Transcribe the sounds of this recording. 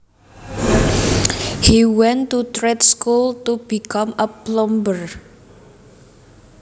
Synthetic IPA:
hiwɛ̃ntut̪ɾetskultub̥ikãməblɔmbər

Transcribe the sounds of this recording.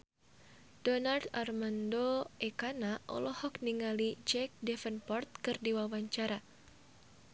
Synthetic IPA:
d̥ɔnart̪armandoʔɛkanaʔɔ̰lɔhɔk̚niŋalid͡ʒɛk̚dɛfənpɔrt̪̚kɨrdiwawaɲt͡ʃaɾa

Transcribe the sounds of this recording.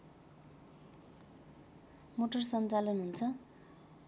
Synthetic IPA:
moʈʌrsʌnt͡salʌnɦunt͡sʰʌ

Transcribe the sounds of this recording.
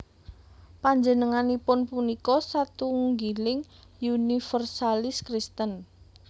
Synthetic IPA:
paɲd͡ʒənəŋanipʊnpunikɔsat̪uŋɡilɪŋ | junifərsalɪskɾist̪ən

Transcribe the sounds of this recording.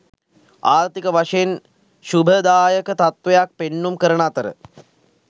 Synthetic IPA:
aːɾt̪ikəʋaʂəjen | ʃubʱəd̪aːjəkət̪at̪ʋɐjak̚penːumkəɾəɳat̪əɾə̰

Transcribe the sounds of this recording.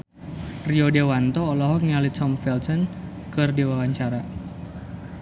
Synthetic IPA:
riɔdawant̪ɔːlɔɦɔk̚nialit̪ɔmfɛlsən | kɨrdewawaɲt͡ʃaɾa

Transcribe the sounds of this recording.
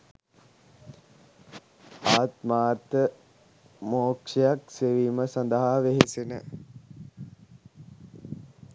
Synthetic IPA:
aːt̪maːt̪ːə | moːkʂejakseʋiːməsand̪əɦaʋeɦesenə

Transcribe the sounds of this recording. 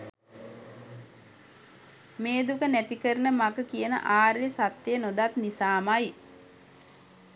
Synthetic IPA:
meːd̪ukənæt̪ikəɾənəmaɡəkijənə̰ʔaːɾjesat̪ːenod̪at̪nisaːmaj

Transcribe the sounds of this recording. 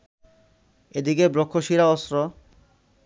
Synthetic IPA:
ed̪ikebɾokʰːoʃiɾaɔsɾo

